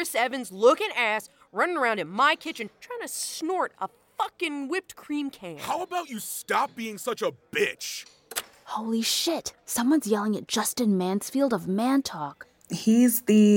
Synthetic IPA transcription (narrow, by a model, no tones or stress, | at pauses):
ɨsɛvɨ̃nzlʊkɨ̃næs | ɹʌ̃ñɪ̃ŋə˞ãʊ̃ndɨ̃nmaɪkʰɪt͡ʃɨ̃ntʰɹ̥aɪɪ̃ŋtʰɨsnɔɹɾə | fʌkɨ̃nwɪp̚t̚kʰɹ̥ĩmkʰæ̃nhaʊəbaʊt͡ʃɨstɑp̚b̥iɪ̃ŋsʌt͡ʃəb̥ɪt͡ʃ | hoʊlˠiʃɪtsʌ̃mwʌ̃nzjɛlˠɪ̃ŋɨt̚d̥ʒ̥ʌstɨ̃nmæ̃nsfilˠdʌvmæ̃ntʰɔk | hizðɨ